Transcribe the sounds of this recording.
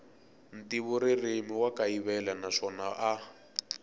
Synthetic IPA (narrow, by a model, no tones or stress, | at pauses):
n̩tiβuɾirimiwakaiβɛlanaʂɔnaʔa